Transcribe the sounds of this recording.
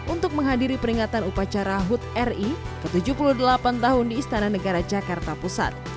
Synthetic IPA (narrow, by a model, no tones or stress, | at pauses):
ʔunt̪ʊk̚məŋɦadiɾipəɾiŋat̪anupat͡ʃaɾaɦut̪̚ɛri | kət̪ud͡ʒuhpuluhdəlapant̪aɦʊndiːst̪anahnəɡaɾad͡ʒakart̪apusa̰t̪̚